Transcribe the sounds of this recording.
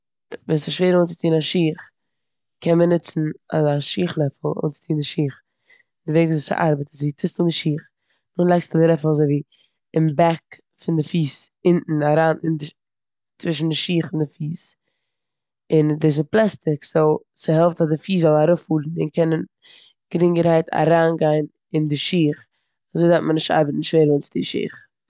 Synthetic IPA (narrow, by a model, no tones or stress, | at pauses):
viːnsɪʃveːɾoːnt͡sɪtʰiːnaʃiːχ | kʰɛnmənɪt͡sn̩a̰zaʃiːχlˠɛfl̩ˠo̰ːnt͡sɪ̥tʰiːndɪʃiːχ | dɪveɪkvzisa̰ʔa̰ɾbətsitʰɪstlˠdɪʃiːχ | nʊχlˠaɪkstədɪlˠɛfl̩ˠazoɪviː | ɪmbak | fɪndɪfiːsɪnʔn̩aɾaːnɪndɪ | t͡svɪʃ̬n̩dɪʃiːχɪndɪfiːs | ɪndɪs̬ɪplˠɛstɪkz̥olˠ | sɪhɛlˠftazdɪfiːszɔlˠaɾʊfuːɾn̩ɪ̰nkʰɛnən | ɡ̥ɾɪŋɡəɾhaɪtʰa̰ɾaːnɡaɪn | ɪndɪʃiːχ | azoɪdatmənɪʃta̰ɾbətn̩ɪʃveːɾvɛnsdiʃḭːχ